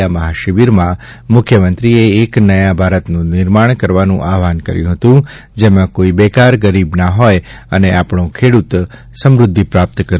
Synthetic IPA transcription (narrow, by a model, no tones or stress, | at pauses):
aməɦaʃɪʋiɾmã | mʊkʰjəmə̃nt̪ɾieːknəjãbʱaɾət̪nũnɪɾmaɳ̃kəɾʋanũʔaʋankə̰ɾjũɦət̪ũ | d͡ʒemãkoibɛkaɾɡəɾibnaɦɔjəneapɳ̃õkʰeɽut̪ | səmɾʊd̪ʱːipɾap̚t̪kəɾ